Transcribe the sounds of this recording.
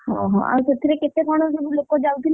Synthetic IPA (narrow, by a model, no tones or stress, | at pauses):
hɔ̃ɦɔ̰̃a̰set̪ʰːiɾeket̪ekɔɽ̃os̬obulokod͡ʒawt̪in